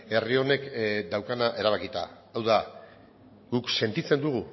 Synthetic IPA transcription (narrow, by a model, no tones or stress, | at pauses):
e̞rio̞ne̞kd̪awkanaʔe̞ɾaβ̞akit̪a̰ː | wða | ɡukse̞nt̪it͡se̞nd̪uɣ̞u